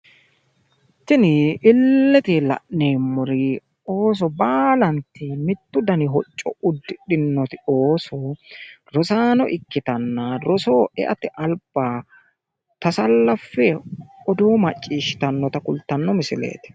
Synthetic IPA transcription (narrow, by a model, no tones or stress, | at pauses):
t̪ːɪnɪʔɪlːɛt̪ɪlɐ̰ʔneːmːʊɾɪ | oːs̬ɔbaːlɐnt̪ɪmɪt̪ːʊd̪ɐnɪɦɔt͡ʃʼːɔ̰ʊd̪ːɪɗɪnːɔt̪ɪoːsɔ | ɾɔsaːnɔʔɪkːɪt̪ɐnːɐɾɔsoːɛ̰ʔɐt̪ɪʔɐlb̥ːaː | t̪ɐsɐlːɐfːɛɔd̪oːmɐt͡ʃʼːiːʃɪ̥t̪ɐnːɔt̪ɐkʊlt̪ːɐnːɔmɪsɪlḛːt̪ɪ̥